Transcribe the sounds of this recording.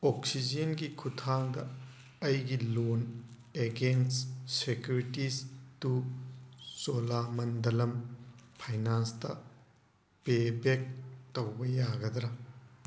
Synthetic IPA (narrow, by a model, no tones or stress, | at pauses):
oksid͡ʒenɡikʰutʰaŋdɐ | ɐjɡilon | eɡensːekjuɾitistu | solamɐndɐlɐmpʰajnanstɐ̰ | pebek̚tɐwbɐjaɡɐd̪ɾɐ